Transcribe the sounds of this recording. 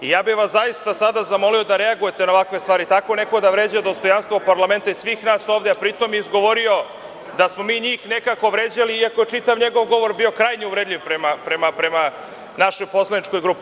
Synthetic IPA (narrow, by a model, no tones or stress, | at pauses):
ijaːbiʋaszajist̪asad̪azamo̞lio̞d̪aɾe̞aɡuje̞t̪e̞naoakʋe̞st̪ʋaːɾit̪ako̞ne̞koɡod̪aʋɾeːd͡ʑajod̪o̞st̪o̞janst̪ʋopaɾlˠame̞nt̪aisʋiːxnaːso̞ːʋd̪eapɾit̪o̞mjizɡo̞ʋoɾio̞ | d̪asmo̞miːɲiːxne̞kako̞ʋɾeːd͡ʑaliiako̞jet͡ʃit̪aʋɲe̞ɡo̞ʋɡo̞ʋo̞ɾbio̞kɾajɲiuʋɾed̪ʎʲiʋpɾemapɾemapɾe̞ma | naʃo̞jpo̞slˠanit͡ʃko̞jɡɾuːpi